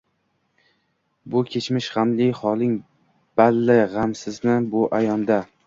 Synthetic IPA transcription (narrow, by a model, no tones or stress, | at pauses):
bʊkʲʰe̞t͡ʃmɪʃʁamlɪχɒlˠɪŋ | b̥alːɪʁamsɪznɪbʊʔajɒnd̪a